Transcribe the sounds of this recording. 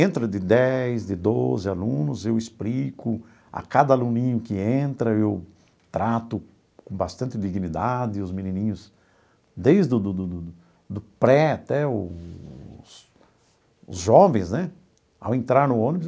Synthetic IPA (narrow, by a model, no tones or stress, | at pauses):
ẽnt̪ɾʊd̪ɪd̪ɛjzd̪ɪd̪ozɪalũnʊzewɪsplikʊ | a̰kad̪ɐalũnĩɲʊkɪẽnt̪ɾɐew | t̪ɾat̪ʊ | kõbast̪ɐ̃nt̪ɪd̪iɡnid̪ad̪ɪʊzmĩnĩnĩɲʊs | d̪ejzd̪ʊd̪ʊd̪ʊd̪ʊ | d̪ʊpɾɛat̪ɛʊ | s | ʊ̰zʒɔvẽj̃znɛ | a̰wẽnt̪ɾaɾnʊõnibʊ